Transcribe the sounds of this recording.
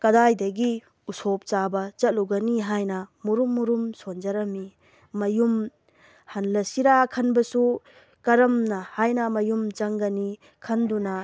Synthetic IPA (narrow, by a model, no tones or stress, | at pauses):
kɐdajdɐɡi | usop̚t͡ʃabɐt͡ʃɐt̚luɡɐniɦajnɐmuɾumːuɾumsond͡ʒɐɾɐmi | mɐjum | hɐnlɐsiɾakʰɐnbɐsu | kɐɾɐmnɐhajnɐmɐjumt͡ʃɐŋɡɐni | kʰɐndunɐ